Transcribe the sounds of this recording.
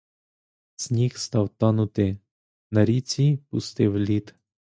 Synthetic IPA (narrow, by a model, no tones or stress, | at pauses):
sʲnʲixst̪ɑwt̪ɑnʊt̪ɪ | nɐɾʲit͡sʲipʊst̪ɪwlʲit̪